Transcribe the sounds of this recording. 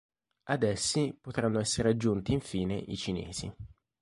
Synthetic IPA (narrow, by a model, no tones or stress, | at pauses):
ad̪ɛsːipot̪ɾanːoɛsːeɾead͡ʒːunt̪iːɱfiːnḛʔit͡ʃinḛːz̥ḭ